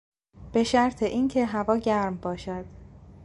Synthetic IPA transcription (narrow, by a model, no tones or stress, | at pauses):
b̥e̞ʃæɾt̪ʰe̞ʔiːncʰe̞ɦævɒːɟæɾmbɒːʃæd̪̥